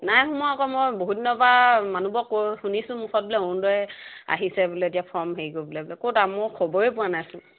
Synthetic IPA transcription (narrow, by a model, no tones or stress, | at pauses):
najxumɔakɔmɔjboɦudinɔbamanubɔkːojxunisʊ̃mukɔt̚bɔlɛondɔɛa̰ɦisɛbulɛetiapʰɔɹmɦejɡobulɛbulɛkotamɔkʰɔbɔɹepʊanajsʊ̃